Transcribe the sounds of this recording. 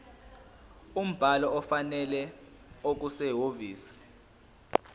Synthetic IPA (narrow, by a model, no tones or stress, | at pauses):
um̩b̥ʱalɔɔfanɛlɛ | ok̬usɛɦoviːsi̥